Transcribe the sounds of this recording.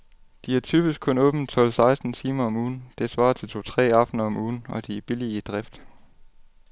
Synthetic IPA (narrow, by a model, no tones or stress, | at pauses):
d̥iæɐt͡sʰyːb̥isɡ̥̚kʰɔ̽nɔ̽ːb̥n̩t͡sʰɒ̽l̰sɑ̈ɪsd̥n̩t͡sʰiːmɐɒ̽muːn̩d̥e̝sʋɑ̰̈ːt͡sʰe̝lt͡sʰo̝ːt͡sʰʁɛ̰ːɑ̈fd̥nɐɒ̽mʔuːn̩ɒ̽d̥ib̥iliəd̥ʁɛfd̥